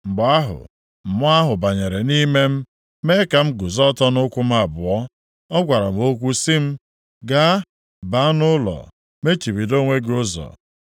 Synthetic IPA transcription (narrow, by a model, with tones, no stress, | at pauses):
m̩˨bʊ˨a˦ɦʊ̰˨ | m̩˨mʊ˦a˦ɦʊ˨ba˨ɲe˨ɾe˨ni˦me˦m̩˦ | me˦ka˨m̩˦ɡʊ˨zɔ˦tɔ˦nʊ˦kʷʊ˦m̩˦a˨bʊ˨ɔ˦ | ɔ˦ɡʷa˨ɾa̰˨m̩˨o˦kʷu˦si˦m̩˦ | ɡa˦ | ba˨˦nʊ˦lɔ̰˨ | me˦t͡ʃi˨bi˨do˦ŋʷe˦ɡʊ˦zɔ̰˨